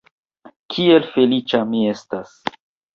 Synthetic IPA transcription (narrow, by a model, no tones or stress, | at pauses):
kʰie̞lfe̞lit͡ʃamie̞stas